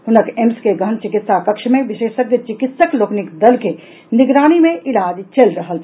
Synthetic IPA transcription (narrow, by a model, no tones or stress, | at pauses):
ɦʊnəkemskeɡʱɐɳt͡ʃɪkɪt̪sakɐkʃmẽʋɪʃeːʃək̪ət͡ʃɪkɪt̪səkloːknɪkd̪ɐlke | nɪɡɾaːɽ̃imẽʔɪlaːd͡ʒt͡ʃelɾəɦəl